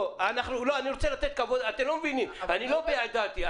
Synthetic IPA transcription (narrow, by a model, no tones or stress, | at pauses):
anaχnulo̞aniʁo̞t͡selat̪et̪̚kavo̞d̪at̪emlomevinimanilo̞bejad̪at̪ia